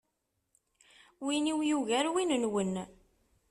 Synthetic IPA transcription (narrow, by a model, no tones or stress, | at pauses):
winiwjuʝæɾwinənwən